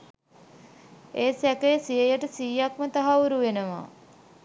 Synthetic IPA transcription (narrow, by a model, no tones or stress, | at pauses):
eːsækejsijəjəʈəsiːjakmət̪aɦauɾuʋenəʋa̰